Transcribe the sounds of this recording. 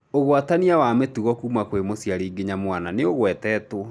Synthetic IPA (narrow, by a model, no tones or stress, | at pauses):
oɣwataniawametuɣɔkuːmakwemosjaɾiɡeɲamwananeoɣwɛtɛːto